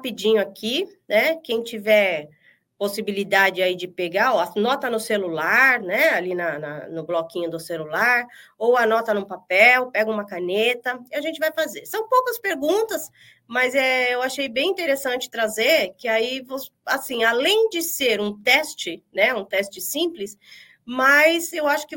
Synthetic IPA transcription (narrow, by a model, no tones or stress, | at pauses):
apid͡ʒĩɲʊakʰinɛkẽj̃t͡ʃivɛɾ | posibilid̪ad͡ʒɪaid͡ʒɪpeɡaoɐnɔt̪ɐnʊselulaɾnɛalinɐnɐ̰nʊblɔkĩɲʊd̪ʊselulaɾowɐnɔt̪ɐnʊ̃papɛwpɛɡɐũmɐkanet̪ɐɪaʒẽnt͡ʃɪvajfazeɾsɐ̃w̃powkɐspeɾɡũt̪ɐs | mɐzɛewaʃejbẽj̃ĩnt̪eɾesɐ̃nt͡ʃɪ̥t̪ɾazeɾkɪaivosasĩalẽj̃d͡ʒɪseɾũt̪ɛst͡ʃɪnɛũt̪ɛst͡ʃɪsĩplɪs | majsewaʃʊ̥kɪ